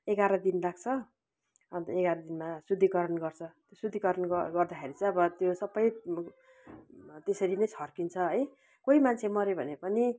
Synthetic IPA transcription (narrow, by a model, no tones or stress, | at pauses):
eɡaɾʌd̪inraɡ̚t͡sʰʌ | ʌnt̪eɡaɾʌd̪inmasud̪ʱːikʌɾʌnɡʌrt͡sʰʌt̪josud̪ʱːikʌɾʌnɡɡʌrd̪akʰeɾit͡sʌj̃ʌbʌt̪josʌbʌj | t̪esʌɾinʌjt͡sʰʌrkint͡sʰʌɦʌj | koimant͡sʰemʌɾebʱʌnepʌni